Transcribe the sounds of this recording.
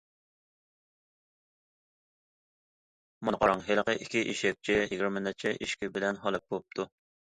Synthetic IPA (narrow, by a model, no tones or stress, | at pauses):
mɑnqʰɑɾɑŋɦelqəʔikʲʰiʔiʃɛk̚ʲt͡ʃʰɪjiɡʲiɾmɪnɛt͡ʃʰɛʔiʃkʲɪbɪlɛnɦɑlˠɨk̚bop̚t̪ʰu